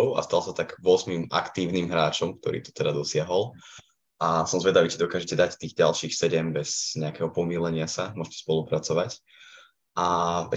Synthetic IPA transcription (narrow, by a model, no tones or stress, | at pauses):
ʊa̰st̪alsat̪aɡʋʊɔzmimʔa̰kt̪iːʊniːmɦɾaːt͡ʃɔmk̚t̪ɔ̰ɾḭːt̪ɔ̥t̪ɛd̪ad̪ɔsɪaɦɔl | ʔasɔmzʋɛd̪aʋiːt͡ʃɛd̪ɔkaːʒɛcɛd̪act̪iːɣɟalʃiːxsɛɟɛmbɛz̥ɲɛakɛɦɔpɔmiːlɛɲɪasamʊɔʃcɛ̥spɔlupɾat͡sɔʋac | ʔaɛ